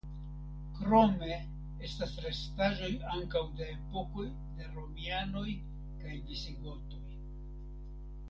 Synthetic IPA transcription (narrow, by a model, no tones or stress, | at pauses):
kɾo̞me̞ | e̞stasɾe̞staʒo̞jaŋkawde̞ːpo̞ko̞j | deɾo̞miano̞j | kajdesiɡo̞to̞j